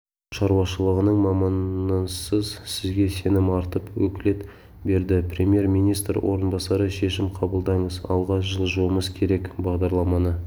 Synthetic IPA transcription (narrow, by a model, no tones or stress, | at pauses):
ʃɑɾuwɑʃəlˠəʁənəɴmɑmɑnəsəzsɪzɡʲe̞se̞nɪmɑɾt̪əpwɵkʲɪle̞t̪ | be̞ɾd̪ɪprʲemje̞ɾmijnijst̪ɾwʔo̞̰ɾənbɑsɑɾəʃe̞ʃɪmqʰɑbəlˠd̪ɑɴəzɑ̰lˠʁɑʒəlˠʒuəməzkʲʰe̞ɾe̞kbɑʁd̪ɑɾlˠɑmɑnə